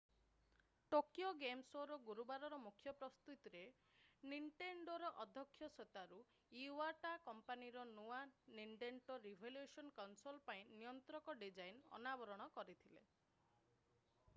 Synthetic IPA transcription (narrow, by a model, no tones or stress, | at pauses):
ʈokjoɡemsoɾɔɡuɾubaɾɔɾɔmukʰːjɔpɾɔst̪ut̪iɾe | niɳʈeɳɖoɾɔʔɔd̪ʱːɔkʰːjɔset̪aɾu | iwaʈakɔmpaniɾɔnuaniɳʈeɳʈɔɾibʱeljesɔnkawnsolpaĩnijɔnt̪ɾɔkɔɖid͡ʒajnɔ̰nabɔɾɔɽ̃ɔkɔɾit̪ʰilḛ